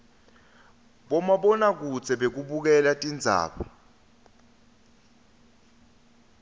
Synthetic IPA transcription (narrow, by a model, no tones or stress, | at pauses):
ɓɔmaɓɔnak̬uzʱɛɓek̬uɓuk̬ɛlatʼind͡zʱa̰ːɓɔ